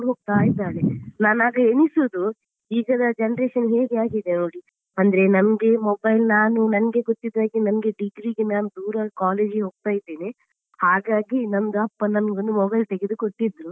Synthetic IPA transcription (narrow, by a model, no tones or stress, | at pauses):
uɾɦoːɡ̚t̪aːjid̪aːlenaːnaːɡɐenisuːd̪u | iːɡɐd̪ɐd͡ʒɐnɾeːʃɐnɦeːɡeaːɡid̪enoːɽi | ɐnd̪ɐɾenɐmɐɡe̞mobɐjlnaːnunɐnɐɡe̞ɡot̪ːid̪ːaːɡinɐmɐɡe̞ɖiɡɾiɡenaːnud̪uːɾɐkaːle̞ːd͡ʒɡɦoːɡ̚t̪aːjd̪eːni | haːɡaːɡinɐmd̪uɐpːɐnɐmɡond̪umɔbɐjlt̪eɡed̪ukoʈːid̪ɾu